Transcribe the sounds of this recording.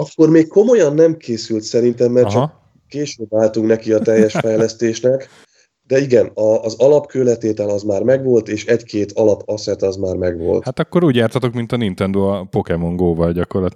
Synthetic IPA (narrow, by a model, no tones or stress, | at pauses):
ɒkːo̞rmeːkkːo̞mo̞jɒnːɛmkʰeːsylt̪sɛɾint̪ɛmːɛrt͡ʃɒk | keːʃøːbaːlt̪uŋknɛkiɒt̪ɛjːɛʃfɛjlɛst̪eːʃnɛk | d̪ɛiɡɛnɒːzɒlɒpkøːlɛt̪eːt̪ɛlɒzmaːrmɛɡʋo̞lt̪eːʃɛckʰeːt̪ʰɒlɒpʰɒsɛt̪ɒzmaːrmɛɡʋo̞̰lth̪at̪ɒkːo̞ɾuːɟjaːrt̪ɒt̪o̞kmint̪ɒnint̪ɛnd̪oɒpo̞kɛmo̞ŋɡoːvɒlɟɒko̞rlɒt̪